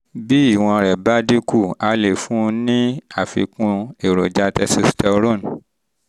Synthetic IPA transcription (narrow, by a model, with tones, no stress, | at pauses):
bi˦i˦˨w̃ɔ̃˧ɾɛ˨ba˦di˦ku˦˨a˧le˨fũ˦nĩ˦a˦˨fḭ˧kũ˧˦e˨ɾo˨d͡ʒa˧˦tɛ˧˦si˧stɛ˧ɾõ˦˨n